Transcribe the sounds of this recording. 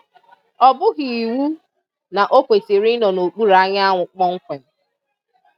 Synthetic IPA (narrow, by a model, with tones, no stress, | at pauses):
ɔ˨bʊ˦ɣi˨i˨wu˦ | na˨ʔo˦kʷe˨te˨ɾi˦nɔ˨no˨k͡pu˦ɾa˦ɲa˦ŋʷʊ˨k͡pɔ˦ŋ̩˦kʷe˨n˨